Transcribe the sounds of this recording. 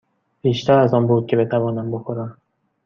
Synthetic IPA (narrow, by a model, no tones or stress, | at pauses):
b̥iːʃt̪ʰæɾæzɒːnbuːd̪̚cʲʰe̞be̞t̪ʰævɒːnæmboxoɾæm